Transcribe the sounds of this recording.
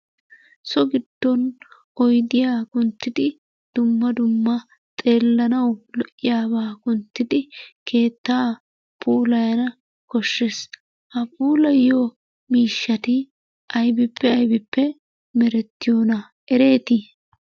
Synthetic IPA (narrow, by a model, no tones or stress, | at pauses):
sɔɡɪd̪̥ːɔn | ʔɔjd̪ɪjaːkʊnt̪ːɪd̪ɪ | d̪̥ʊmːɐd̪ʊmːɐ | t̪ʼe̞ːlːɐnɐwlɔʔːɪjaːbaːkʊnt̪ːɪd̪ɪkʰe̞ːt̪ːaː | pʰuːlɐjɐnɐ | kɔʃːes | hɐpuːlɐjo | miːʃːɐt̪ɪ | ɐjbɪpʰːɛɐjbɪpːɛ | mɛɾɛt̪ːɪjoːnɐ | ɛɾe̞ːt̪ɪ